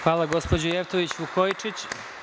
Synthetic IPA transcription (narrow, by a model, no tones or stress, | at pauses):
xʋaːlˠaɡo̞spod͡ʑojeft̪oʋit͡ɕʋukojt͡ʂit͡ɕ